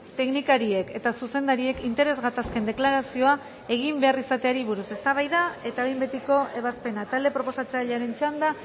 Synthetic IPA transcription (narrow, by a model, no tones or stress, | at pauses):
t̪e̞knikaɾie̞ke̞t̪asuse̞nd̪aɾie̞kint̪e̞ɾe̞zɣat̪aske̞nd̪e̞klaɾasio̞a | e̞ɣ̞imbearisat̪e̞aɾiβuɾuse̞st̪aβ̞ajðae̞t̪aβejmbet̪iko̞ʔe̞β̞aspe̞nat̪ald̪e̞pɾo̞po̞sat͡seaʎaɾe̞nt͡ʃand̪a